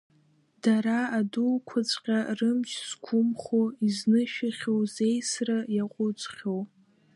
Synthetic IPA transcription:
d̥aɾaːdulkʷʰat͡sʷʼqʲʼarɨmt͡ʃʰskʷʰʊmχoiznɨʃᶣaχʲowzejsrajaqʷʼʊt͡sʷʼχʲow

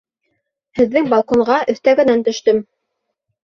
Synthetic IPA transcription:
hɘ̆ðːɘŋbɑlˠkoɴʁɑʔɵ̆θt̪æɡɘ̆nænt̪ɵ̆ʃt̪ɵm

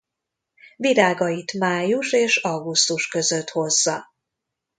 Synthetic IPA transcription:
viɾaːɡɒjit̪maːjuʃeːʃɒɡust̪uʃkø̞zø̞t̪ho̞zːɒ

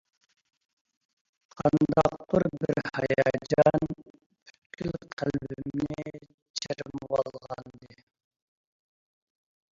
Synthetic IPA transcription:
qʰɑnd̪ɑqːʊɾbiɾhɑjɑd͡ʒɑn | pʰy̥t̪̚kʲʰylqʰælbimnɪ | t͡ʃʰeɾmwɑlˠʁɑnd̪ɨ

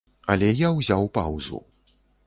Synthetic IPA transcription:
ɐ̰lʲɛjawzʲawpa̰wzṵ

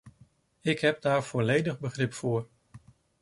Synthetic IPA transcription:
ɪkɦɛp̚daːɹv̥ɔlejdəχbəχrɪpfʊːɹ

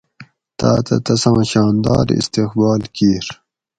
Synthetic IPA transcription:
t̪aːt̪ɐt̪ɐsãɕɑːnd̪ɑːɾḭst̪exbɑːlkiːɾ

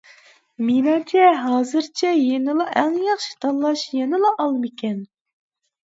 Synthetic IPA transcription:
menɑŋt͡ʃʰɛɦɑːzɨɾt͡ʃʰɛjenɨlˠɑʔɛŋjɑχʃi̥t̪ʰɑlˠːɑʃjɛnɨlˠɑʔɑlˠmɪkʲʰɛn

